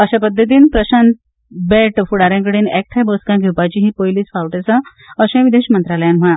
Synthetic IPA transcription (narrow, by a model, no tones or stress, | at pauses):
əɕapəd̪ʱːət̪̬iːnpɾəɕãnt̪ | beʈfuɽaɾjãŋk̬əɽiːnɛk̚ʈ̪ʰaboskãɡʱuwpat͡ɕiɦĩpojliːt͡sfawʈesa | əɕẽʋid̪eɕmənt̪ɾaləjãnm̤əɭã